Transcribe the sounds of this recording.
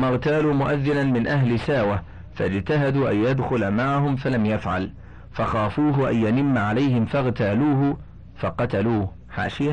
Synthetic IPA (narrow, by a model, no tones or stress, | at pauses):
mːɑɣt̪aːluːmʊʔaðːɪnanmɪnʔaɦlɪsaːwa | fa̰d͡ʒt̪aɦad̪uːʔajjad̪xʊlmaʕaɦʊmfalamjafʕa̰l | fɑxaːfuːɦʊʔa̰njanɪmːaʕalajhɪmfɑɣt̪aːluːɦʊ | fɑqɑt̪aluː | ħa̰ːʃɪja